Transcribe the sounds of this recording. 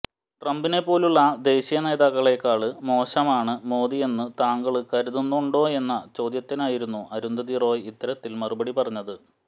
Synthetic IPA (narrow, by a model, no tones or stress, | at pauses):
ʈrɐmbine̞pːo̞ːluɭːɐd̪e̞ːɕijɐne̞ːðaːkːɐɭe̞kːaːɭɨmo̞ːɕɐmaːɳɨmo̞ːðije̞nːɨt̪aːŋɡɐɭɨkɐɾuðunːuuɳɖo̞ːe̞nːɐt͡ɕo̞ːd̪jɐt̪ːinaːjiɾunːuʔɐɾund̪ɐðiro̞ːjit̪ːɐɾɐt̪ːilmɐrubɐɽipɐrɐɲːɐðɨ